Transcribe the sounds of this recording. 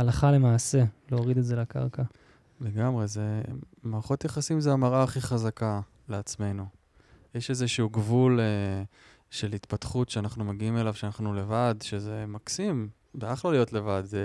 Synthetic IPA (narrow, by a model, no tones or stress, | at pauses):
alaχale̞maːse̞leoʁid̪etzelaka̰ʁka | le̞ɡamʁe̞ze | maʁχo̞t̪jaχasimzeamaʁaχiχazaka | leat͡sme̞nu | jeʃezeʃuuɡvule | ʃe̞lit̪pat̪χutʃeanaχnumeɡiime̞lavʃeanaχnule̞vad̪ʃe̞zemaksim | beaχlalijo̞tle̞vad̪